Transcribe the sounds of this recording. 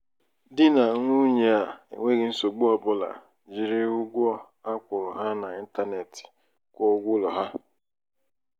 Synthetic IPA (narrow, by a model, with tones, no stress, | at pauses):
dɪ˦na˨ŋʷu˦ɲe˨a˨ḛ˨ŋʷe˦ɣɪ˦n̩˦so˨ɡ͡bo˦ɔ˨bʊ˦la̰˨ | d͡ʒi˨ɾɪ˦ʊ˦ɡʷɔ˦ | a˦kʷʊ˨ɾʊ˨ɦa˦na˨i˦n̩˦ta˦ne˨tɪ̥i̥˨ | kʷɔ˦ɡʷʊ˦lɔ˨ɦa˦